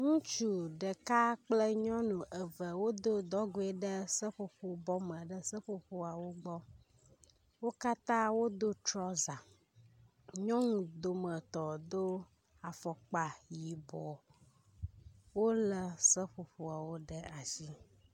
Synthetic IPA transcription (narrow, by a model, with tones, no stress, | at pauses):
ŋũ˦t͡ʃu˦ɖə˨ka˦k͡plə˦ɲɔ̃˦nũ˨ʔə˨və˨wo˦d̪o˦d̪ɔ˦ɡo˦ɛ˨ɖə˦sə˦ɸo˨ɸo˨bɔ˦mə̃˨ɖə˦sə˦ɸo˨ɸo˦a˨wo˦ɡ͡bɔ˦ | wo˦ka˦t̪ã˦wo˦d̪o˦t͡ʃɾɔ˦za˨ | ɲɔ̃˦ŋũ˨d̪o˨mə˨t̪ɔ˨d̪o˦ | a˨fɔ˨k͡pa˨ji˨bɔ˨ | wo˦lə˨sə˦ɸo˨ɸo˨a˨wo˦ɖə˦a˨zi˦